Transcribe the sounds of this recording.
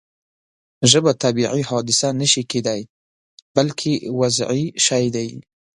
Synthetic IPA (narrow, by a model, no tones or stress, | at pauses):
ʒəbat̪abiʕihɑd̪ɪsanaʃiked̪aj | balkʰiwazʕiʃajd̪aji